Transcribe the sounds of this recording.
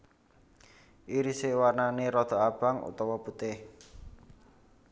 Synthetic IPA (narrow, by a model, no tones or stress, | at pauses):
ʔiɾisewarnaneɾɔd̪̥ɔ̤ab̥a̤ŋṵt̪ɔwɔput̪ɪh